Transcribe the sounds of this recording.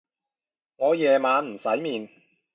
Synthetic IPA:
ŋɔː˨˧jɛː˨maː˨˧nm̩˨˩sɐ˨˥jmiː˨n

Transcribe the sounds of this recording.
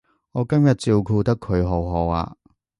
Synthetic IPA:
ŋɔː˨˧kɐ˥mjɐ˨t̚t͡siː˨˧wkʰuː˧t̪ɐ˥kʰːɵ˨˧ɥɦo˨˩wɦoː˨˥wa̰ː˧

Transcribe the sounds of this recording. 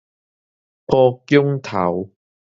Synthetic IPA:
pɔː˧kjʊ˥ŋt̪ʰɐ̰˨˥w

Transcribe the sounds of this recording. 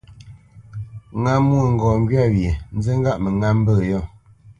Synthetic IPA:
ŋa˦mːwo˦˨ŋ̩˨ɡɔː˨ŋ˦ɡɥa˦˨ɥje˨n̩˦ze˦ŋ˦ɡa˦ʔmə˨ŋa˦m̩˦bə˦˨jɔ˦˨

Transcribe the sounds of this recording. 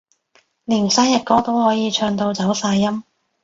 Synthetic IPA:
liː˨˩nsaː˥jɐ˨t̚kɔː˧t̪o˥whɔː˨˥jiː˨˧t͡ʃʰœː˧ŋt̪o˧wt͡sɐ˨˥wsaː˧jːɐ˥m

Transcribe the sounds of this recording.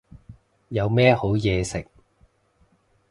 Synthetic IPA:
jɐ˨˧wmɛː˥ho˨˥wjɛː˨˧sɪ˨k̚

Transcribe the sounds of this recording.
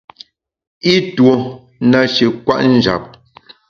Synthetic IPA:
i˦two˨ | na˨ʃi˨kwa̰˦ʔn̩˦d͡ʒa̰˨p̚

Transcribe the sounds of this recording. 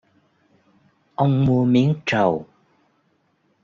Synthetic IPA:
ʔə˧wŋ͡mmu˧əmi˨˦ənt͡ɕə˨˩w

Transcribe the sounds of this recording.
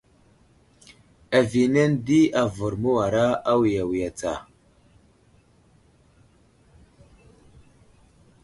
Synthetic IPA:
a˨vi˨na˦ndi˦a˨vu˨ɾmu˦wa˨ɾa˦a˦wi˨ja˨wi˨ja˨t͡sa̰˨

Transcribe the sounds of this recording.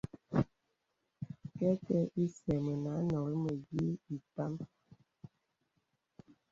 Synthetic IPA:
kɛ˦kɛ˦ʔi˦sɛ˨mə˨na˨˦nɔ˨ɾə˦mə˨ji˦i˨ta˦m

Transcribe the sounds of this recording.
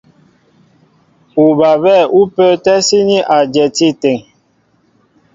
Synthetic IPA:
u˨ba˨βɛ˦˨u˦pə˦tɛ˦si˦ni˦ʔa˨d͡ʒɛ˨ti˦te˨ŋ

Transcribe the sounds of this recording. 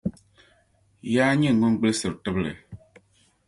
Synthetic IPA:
jaː˦ɲi˦˨ŋ˨ŋu˦nɡ͡bɨ˦lsɨ˨btɨ˦blɨ̰˨

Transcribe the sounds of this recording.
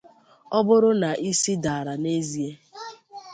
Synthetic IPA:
ɔ˦bʊ˦ɾʊ˦na˨ʔi˦si˦da˨ɾa˨ne˦zi˦e˦

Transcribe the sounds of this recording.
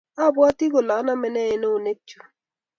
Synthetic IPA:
a˦˨bwa˦ti˦ɡo˨la˨˦na˦mɛ˨nɛ˦e˨no˦o˨ne˦k̚t͡ʃu̥˨

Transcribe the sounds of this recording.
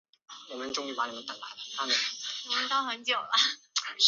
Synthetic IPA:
wɔ˨˩mə˦nʈ͡ʂʊ˥ŋy˥˩pa˧˥ni˨˩mə˦nt̪ə˨˩la̰˧˥ɪlə˨˩t̪ʰa˥mə˨˩wɔ˨˩mə˦nt̪ɑ˥ʊxə˧˥nt͡ɕjo˨˩ʊlɐ˦

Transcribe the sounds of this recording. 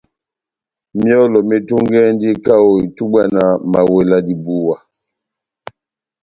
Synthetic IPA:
mjɔ˦lɔ˨me˦tu˦ŋɡɛ˦n˦di˦ka˦o˨i˨tu˦ba˦˨na˨ma˨we˨la˦di˨bu˦wa˨

